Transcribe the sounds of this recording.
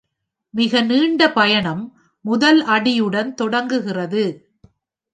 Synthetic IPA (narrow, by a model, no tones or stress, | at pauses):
mɪɣɐniːɳɖɐpɐjɐɳɐmː | ʊðɐlʔɐɽɪjɯɽɐnt̪ɔɽɐŋɡɯɣɪrɐðɯ